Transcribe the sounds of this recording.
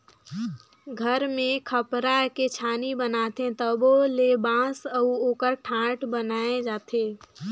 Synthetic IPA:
ɡʱəɾmẽkʰəpɾaket͡ʃʰaːnibənaːt̪ẽt̪əbolebãːsəuoːkəɾʈʰãːʈbənaːed͡ʒaːt̪ʰeː

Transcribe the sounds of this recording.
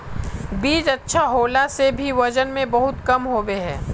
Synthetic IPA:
biːd͡ʒɐtːʃʰaɦoːlasebʱiʋɐd͡ʒənmẽbɐɦʊt̪kɐmɦoːweɦɛ̰̃ː

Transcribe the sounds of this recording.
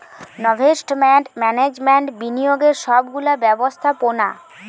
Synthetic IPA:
nɔbʱesʈmɛʈmɛned͡ʑmeɳʈbinijoɡeɾʃɔbɡulabɛbost̪ʰapona̰

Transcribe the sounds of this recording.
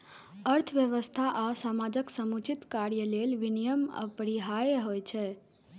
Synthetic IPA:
əɾt̪ʰəʋjəʋəst̪ʰaʔasamad͡ʒəksəmut͡ʃit̪kaɾjəlelʋinijəmə̰pəɾiɦajeɦojt͡ʃʰɛ

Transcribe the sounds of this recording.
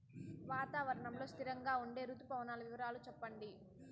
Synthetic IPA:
ʋaːt̪aːʋɐɾɐɳɐmlo̞ːst̪ʰiɾɐŋɡaːuɳɖe̞ːɾut̪upɐʋɐnaːlɐʋiʋɐɾaːlut͡ʃɛpːɐɳɖi

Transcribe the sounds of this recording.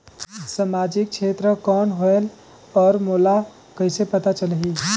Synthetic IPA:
samad͡ʒik̚t͡ʃʰet̪ɾəkɔːnɦoel | ɔːɾmola | kəɪsepət̪at͡ʃəlɦi

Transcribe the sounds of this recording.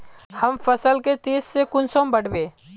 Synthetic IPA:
həmfəsəlket̪eːsːekʊnsombəɽ̤beː

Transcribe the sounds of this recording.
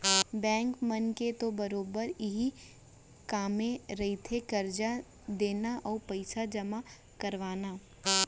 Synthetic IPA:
bɛ̃ːŋkmɐnket̪obɐɾoːbəɾɪɦi | kaːmẽɾɐɦit̪ʰekɐɾd͡ʒa | d̪eːnaʔɔːɾpɐɪsad͡ʒɐma | kɐɾʋaːnaː

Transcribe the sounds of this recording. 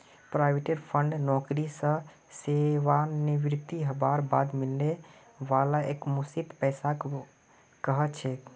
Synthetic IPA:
pɾaɪʋeʈeɾpʰə̃ɳɖnɔːkɾisə̃ | seʋaniʋɾɪt̪iɦəbaːɾbaːd̪mɪlne | ʋaːlaeːkmusit̪pɛːsak | kəɦət̪t͡ʃʰɛ

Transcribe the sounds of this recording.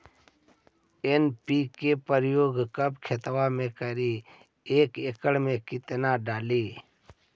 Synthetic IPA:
enpiːkepəɾjoːɡkəbkʰet̪ʋamẽkəɾi | eːkekəɽmẽkɪt̪naɖaːliː

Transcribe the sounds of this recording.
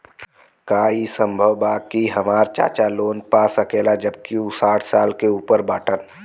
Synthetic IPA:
kaːisə̃mbʱəʋbaːkiɦɐmaːɾt͡ʃa̰ːt͡ʃaloːnpaːsəkeːlad͡ʒəbkiusaːʈʰsaːlkeuːpəɾbaːʈən

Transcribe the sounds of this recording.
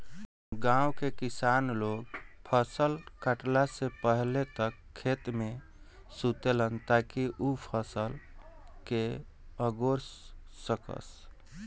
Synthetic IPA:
ɡãwkekisanloɡpʰəsəlkəʈlasepəɦlet̪əkʰːet̪mẽ | sut̪elənt̪akiʔupʰəsəlke | əɡoɾsːəkə̰s

